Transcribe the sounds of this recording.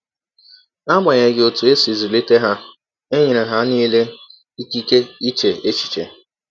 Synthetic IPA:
a˦ma˨ɲe˨ɡɪ˨o˨tu˨e˦si˨zi˨li˦te˦ɦa˦ | e˦ɲɪ˨ɾe˨ɦa˦niː˦le˦ | i˦ki˦ke˦i˦t͡ʃe˨e˦t͡ʃi̥˨t͡ʃḛ˨

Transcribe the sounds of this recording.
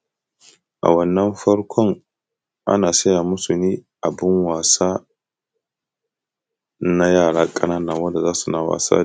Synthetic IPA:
ʔa̰˨wɐ˦nːɐ˦mɸɐ˦ɽkʷʰɔ˦ŋ | ʔa̰˦naː˨sɐ˦jaː˨mʊ˦su˨niː˦ʔa˨bɪ˦ŋwaː˨saː˦ | na˦jaː˦˨ɽaː˦kʼɐ˦naː˦nɐ˨ŋwɐ˦nda˨zaː˦su˨na˨wa̰ː˨sa̰ː˦

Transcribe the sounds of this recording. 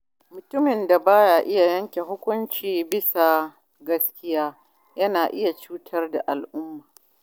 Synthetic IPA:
mʊ˨tʊ˦mɪ˨nda˨baː˦jaː˨ʔɪ˦ja˨jɐ˦ŋkʲe˨ɦʊ˦kʷʊ˦nt͡ʃiː˨bɪ˦sa˨ | ɡɐ˦skʲɪ˦jaː˦ | jɐ˦naː˨ʔɪ˦ja˨t͡ʃuː˦tʰɐ˦rda˨ʔa˨lʔʊ˦mːaː˨

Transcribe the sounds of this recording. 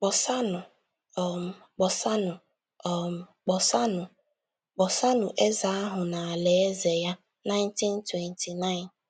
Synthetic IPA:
k͡pɔ˨sa˦nʊ˨ | k͡pɔ˨sa˦nʊ˨ | ɔ˨k͡pɔ˨sa˦nʊ˨ | k͡pɔ˨sa˦nʊ˨ʔe˦za˨a˦ɦʊ˨na˨a˨le˨e˦ze˨ja˦ | na˦ɪ˦nti˦n˦twɛ˨ntʰi˨na˦ɪ˨n

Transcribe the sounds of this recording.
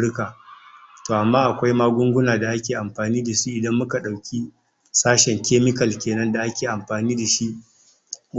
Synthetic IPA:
ɽkaː˨toː˨ʔa˨mːaː˦ʔa˨kʷa˦jmaː˦ɡʷʊ˦ŋɡʷʊ˦naː˨da˨ʔa˦kʲeː˨ʔa˨mɸaː˨niː˦da˨ʃi˦ʔɪ˨dɐ˦mːʊ˦ka˨ɗa˨wkʲi˦ | saː˦ʃɛ˨ŋkʲeː˦mɪ˦kɐ˨lkʲeː˨nɐ˦nda˨ʔa˦kʲeː˨ʔa˨mɸaː˨niː˦da˨ʃi˦ʔ

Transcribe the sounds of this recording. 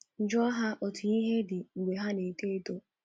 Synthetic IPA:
n̩˨d͡ʒɔ˦ɦa˦ʔɔ˨tʊ˨i˦ɦe˦dɪ˨ŋ̩˨ɡ͡bʷe˨ɦa˦ne˨te˦e˦to˦

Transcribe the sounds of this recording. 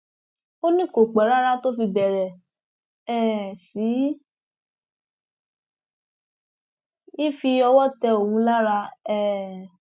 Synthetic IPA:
o˦nĩ˦˨ko˨k͡pɛ˨˦ɾa˦ɾa˦to˦fi˧bɛ˨ɾɛ˨ | ɛ˦˨si˨˦ | i˦fi˧ɔ˧wɔ˦tɛ˧o˨wũ˧˦la˦ɾa˧ɛ˦˨

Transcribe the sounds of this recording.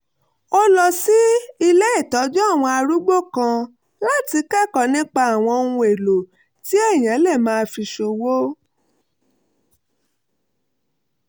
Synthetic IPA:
o˦lɔ˧si˦i˧le˦i˦˨tɔ˨˦d͡ʒɔ˦a˦˨w̃ɔ̃˧a˧ɾu˦ɡ͡bo˦˨kã˧ | la˦ti˧kɛ˦˨kɔ˨nĩ˦k͡pa˧a˨w̃ɔ̃˧nũ˧e˨lo˨ | ti˦ɛ˦˨j̃ã˨˦lɛ˦˨mãː˦˧fi˧ʃo˧wo˦

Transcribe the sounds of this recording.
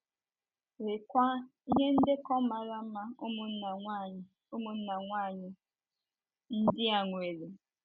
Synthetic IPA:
ɾɪ˨kʷa˦i˦ɦe˦n̩˦de˦kɔ˦ma˨ɾa˦m̩˦ma˦mʊ˨˦˨ | o˦mʊ˨n̩˦na˨ŋʷa˦˨ɲɪ˦ | n̩˦dɪ˦a˨ŋʷ˨e˨le˨

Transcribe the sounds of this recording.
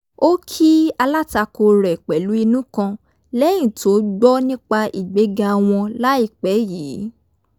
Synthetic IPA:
o˦kʰi˦a˧la˦ta˧ko˧ɾɛ˨k͡pɛ˨lu˨˦i˧nũ˦kã˧ | lɛ˦j̃ĩ˨to˨˦ɡ͡bɔ˦nĩ˦k͡pa˧ʔi˨ɡ͡be˨˦ɡa˧w̃ɔ̃˧la˦i˦˨k͡pɛ˨˦jiː˨˦

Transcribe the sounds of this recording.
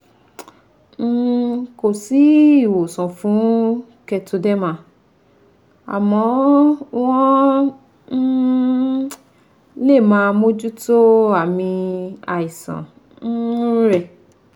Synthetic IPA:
n̩˦ko˨si˨˦˨wo˨sɔ̃˨fũ˨˦ | kɛ˧to˧dɛ˦mã˧˦ | a̰˨mɔ̃˨˦wɔ̃˦ | n̩˦ | le˦˨mã˧mo˦d͡ʒu˦to˦a˦˨mĩ˧a̰˨i˨sã̰˨ | n̩˦ɾɛ˦˨

